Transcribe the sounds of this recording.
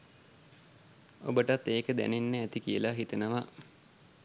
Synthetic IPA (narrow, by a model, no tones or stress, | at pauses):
o̰bəʈat̪ːeːkəd̪æ̰nenːəæt̪ikiəlaɦit̪ənəʋa